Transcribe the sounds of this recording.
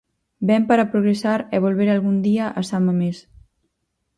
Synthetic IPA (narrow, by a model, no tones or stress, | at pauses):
bɛmpəɾəpɾuɣɾesaɾeβolˠβeɾalˠɣund̪iəʔəsaməmes